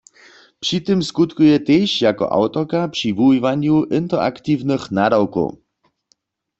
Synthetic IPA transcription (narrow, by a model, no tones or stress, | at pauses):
pʂit̪ɨmskut̪kujɛt̪ejɕjakɔ̰ʔa̰wt̪ɔkapʂivuivaɲjuʔɪnt̪ɛa̰kt̪iwnɨxnadawko̰w